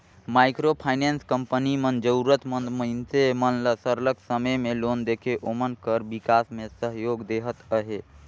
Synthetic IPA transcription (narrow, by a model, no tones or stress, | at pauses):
majkɾopʰaɪnenskəmpənimənd͡ʒəuɾət̪mənd̪məɪnsemənləsəɾləksəməmelond̪ekʰeʔomənkəɾbikasmesəɦjoɡd̪eɦət̪əɦe